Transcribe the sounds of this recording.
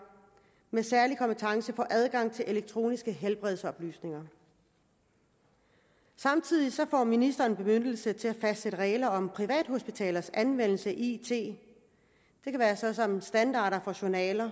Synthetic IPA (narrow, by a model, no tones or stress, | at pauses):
mesæɐlikʰɒ̽mpet͡sʰɑ̈ŋsəfɒːʔæð̞ˠɡ̥ɑ̈ŋ̰t͡sʰe̝lʔe̝leɡ̥̚t͡sʰʁo̝̰ːnisɡ̥əɦelb̥ʁɛð̞ˠsɒ̽b̥ly̰ːsne̝ŋɐ | sɑ̈mt͡sʰið̰ˠisɒ̽fɒ̰ːminisd̥ɐːnb̥e̝møn̰l̩sət͡sʰe̝æfæsd̥seɾ̥əʁɛːlɐɒ̽mpʰʁiʋɛ̰ːd̥ɦo̝sb̥it͡sʰɛ̰ːlɐsænʋen̰l̩səʔit͡sʰe̝̰ː | d̥e̝kʰæʋæːɐsɒ̽sɒ̽msd̥ænd̥ɑ̈ːɾɐfɒ̽ɕonɛːlɐ